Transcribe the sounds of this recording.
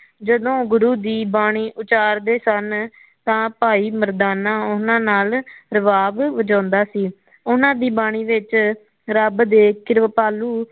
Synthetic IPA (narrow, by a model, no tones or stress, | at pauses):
d͡ʒəd̪õːɡʊɾuːd̪iːbaːɳiːʔʊt͡ʃaːɾd̪eːsən | t̪ãːpaːiːməɾd̪aːnãːʊnãːnaːlɾəʋaːbʋəd͡ʒãːnd̪aːsiː | ʊnãːd̪iːbaːɽ̃iːʋɪt͡ʃ | ɾəbd̪eːkɪɾʋpaːluː